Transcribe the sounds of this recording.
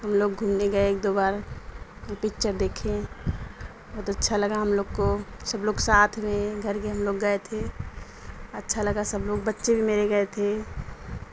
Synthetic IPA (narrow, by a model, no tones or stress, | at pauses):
ɦɐmloːɡɡʱuːmneɡɐeeːk̚d̪oːbaːɾ | pɪkt͡ʃəɾd̪eːkʰẽ | bʱɔːt̪ətːʃʰalɐɡaɦɐmloːɡkosɐbloːɡsaːt̪ʰmẽɡʱɐɾkeɦɐmloːɡːəet̪ʰe | ɐtːʃʰalɐɡasɐbloːɡbətːʃebʱimeɾeɡɐet̪ʰe